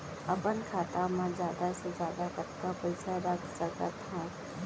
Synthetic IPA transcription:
ɐpənkʰaːt̪amãd͡ʒjaːd̪ased͡ʒjaːd̪akɐt̪kapɐɪsaɾəkʰsɐkat̪ʰa

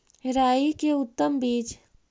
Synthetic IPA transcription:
ɦɾaːikeʊt̪ːəmbiːt͡ʃ

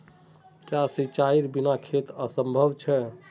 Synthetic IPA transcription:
kjasit͡ʃaiɾbinakʰet̪əsəmbʱəbt͡ʃʰɛ

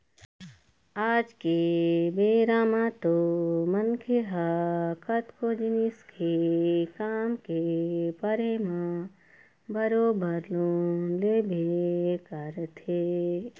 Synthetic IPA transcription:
aːd͡ʒkebeːɾaːmãt̪omənkʰeɦakət̪kod͡ʒiniskʰekaːmkepəɾemã | bəɾoːbəɾlolebʱekəɾt̪ʰe

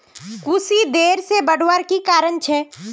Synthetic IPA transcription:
kusid̪eːɾsebəɽwaɾkikaːɾənt͡ʃʰɛː

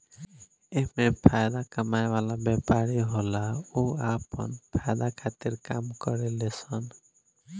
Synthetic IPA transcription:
eɦmepʰajd̪akəmaeʋalabɛpaɾiɦolaoapə̰npʰajd̪akʰat̪iɾkamkəɾelesən

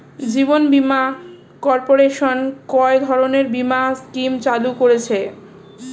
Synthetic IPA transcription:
d͡ʑibonbima | kɔɾpoɾeʃonkɔed̪ʱɔɾoneɾbimaskimt͡ɕalukoɾet͡ɕʰe

